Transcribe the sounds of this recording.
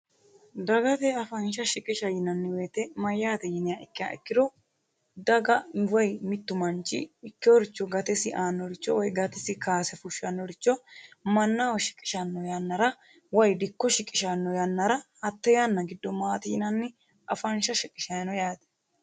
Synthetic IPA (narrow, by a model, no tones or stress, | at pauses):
d̪ɐɡɐt̪ɛɐfɐnʃɐʃɪkʼɪʃɐjɪnɐnːɪwe̞ːt̪ɛmɐjːaːt̪ɛjɪnɪjaːɪkːɪja̰ːʔɪ̰kːɪd̪ɔ | d̪ɐɡɐwɐjmɪt̪ːʊmɐnt͡ʃːɪ̰ɪkːɪɔɾɪt͡ʃːɔɡɐt̪ɛsɪʔaːnːɔɾɪt͡ʃːɔwɔjɡɐt̪ɛsɪkaːsɛfʊʃɐnːɔɾɪt͡ʃːɔmɐnːawɔʃɪ̥kʼɪ̥ʃɐnːɔjɐnːɐɾɐ | wɐjd̪ɪkːɔʃɪkʼːɪʃɐnːɔjɐnːɐɾɐhɐt̪ːɛjanːɐɡɪd̪ːɔmaːt̪iːnɐnːɪ | ɐfɐnʃɐʃɪkʼɪʃɐjnɔjaːt̪ɛ̥